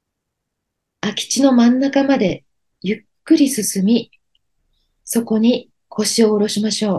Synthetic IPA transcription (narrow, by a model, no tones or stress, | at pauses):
akʲi̥t͡ɕino̞mãnːakamad̪e̞ | jɯkːɯ̟ɾʲisɨsɨmʲi | so̞ko̞ɲ̟i | kʰo̞ɕio̞ːɾo̞ɕimaɕo̞ː